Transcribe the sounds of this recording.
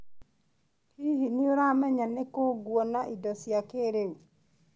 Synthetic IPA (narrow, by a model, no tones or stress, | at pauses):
hihinioɾamɛɲanɛkoɡwɔnaʔidɔsiakeɾeu